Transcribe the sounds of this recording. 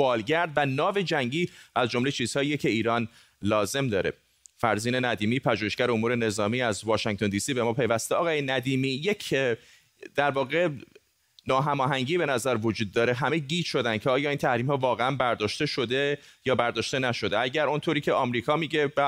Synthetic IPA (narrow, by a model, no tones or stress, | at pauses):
bɒːlɟæɾd̪vænɒːve̞d͡ʒæŋɟiːæzd͡ʒomle̞t͡ʃʰiːz̥hɒːjijecʰe̞iːɾɒːn | lɒːze̞md̪ɒːɾe̞̰ | fæɾziːne̞næd̪iːmiːpʰæd͡ʒuːheʃcæɾeomuːɾe̞ne̞zɒːmiːæzvɒːʃæŋt̪ʰond̪iːsiːbemɒːpʰe̞jvæst̪eʔɒːɣɒːjenæd̪iːmiːjecʰ | d̪̥æɾvɒːɣe̞ | nɒːɦæmɒːɦæŋɟiːbe̞næzæɾvo̞d͡ʒuːd̪̚ːɒːɾe̞ɦæmeɟiːt̪ʃo̞d̪ænd̪cʰeɒːjɒːiːnt̪ʰæhɾiːmhɒːvɒːɣeænbæɾd̪ɒːʃt̪e̞ʃo̞d̪e̞jɒːbæɾd̪ɒːʃt̪e̞næʃo̞d̪eæɟæɾont̪ʰoɾiːcʰeɒmɾiːkʰɒːmiːɟe̞bæ